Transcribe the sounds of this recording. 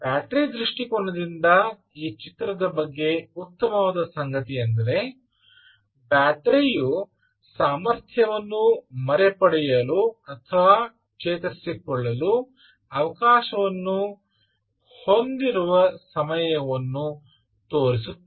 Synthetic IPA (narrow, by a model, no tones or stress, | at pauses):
bjaːʈɾid̪ɾiʂʈikoɳːɐd̪ind̪ɐ | iːt͡ʃit̪ɾɐd̪ɐbɐɡːe̞ut̪ːɐmɐʋaːd̪ɐsɐŋɡɐt̪ijɐnd̪ɐɾe̞ | baːʈɾiju | saːmɐɾt̪ʰjɐʋɐnːumɐɾepɐɽɛjɐluɐt̪ʰɐʋa | kt͡ʃɛːt̪ɐsːikɔɭːɐlu | ɐʋɐkaːʃɐʋɐnːu | ho̞nd̪iɾuʋɐsɐmɐjɐʋɐnːu | t̪oːɾisut̪ː